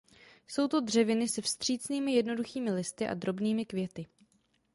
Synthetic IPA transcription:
so̞wt̪o̞dr̝ɛvɪnɪsɛfst̪r̝̥iːt͡sniːmɪjɛdno̞duxiːmɪlɪst̪ɪʔa̰d̪ɾo̞bniːmɪkvjɛt̪ɪ

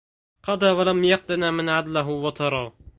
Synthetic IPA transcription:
qɑd̪aːwalamjɑq̚d̪ɪnamɪnʕad̪laɦʊwɑt̪ʰɑɾˤɑː

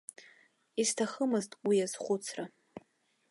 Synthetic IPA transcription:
istʰaχəmɨztʼwijazχʷut͡sʰra

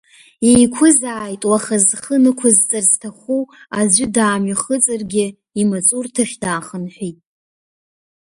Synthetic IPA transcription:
ejkʷʰʊzaːjtʼwaχazχənɨkʷʰʊzt͡sʼaztʰaχuazʷɪdaːmɥaχət͡sʼɨrɡʲɪ | imat͡sʼurtʰaʃᶣdaːχənħʷᶣitʼ

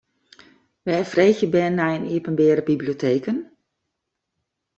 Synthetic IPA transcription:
ʋɛfreːɣjəbɛnːajəniəpənbɛːɾəbibliotʰeːkən

